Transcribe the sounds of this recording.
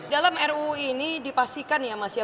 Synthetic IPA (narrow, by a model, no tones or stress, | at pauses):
dalamɛruinidipast̪ikanjamasia